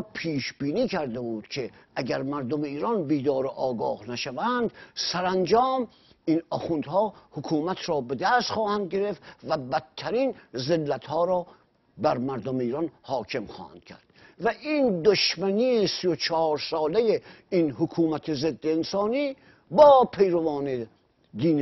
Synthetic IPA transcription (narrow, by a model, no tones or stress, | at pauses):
pʰiːʃbiːniːkʰæɾd̪ebuːd̪̥kʰe̞ʔæɟæɾmæɾd̪ome̞iːɾɒːnbiːd̪ɒːɾoʔɒːɡɒːhnæʃævænd̪sæɾænd͡ʒɒːm | iːnɒːxund̪hɒːhokʰuːmæt̪ʰɾɒːbe̞d̪æst̪xɒːhænd̪̚ɡe̞ɾeft̪væbæt̪ʰːæɾiːnzelːæt̪hɒːɾɒː | bæɾmæɾd̪omeiːɾɒːnhɒːkʰe̞mχɒ̰ːhæ̰nd̪̥kʲʰæ̰ɾd̪̥ | væʔiːnd̪oʃmæniːesijot͡ʃʰɒːɾsɒːlejeiːnhokʰuːmæt̪ʰeze̞d̪ːeːnsɒːniː | bɒːpʰejɾovɒːne | d̪iːn